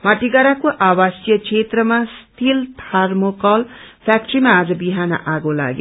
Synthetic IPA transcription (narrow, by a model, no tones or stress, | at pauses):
maʈiɡaɾakoʔawasjʌkt͡ʃʰet̪rʌmast̪ʰilt̪ʰarmokʌlpʰjak̚ʈrimaːd͡zʌbiɦanʌ̰ʔaɡola̰ɡj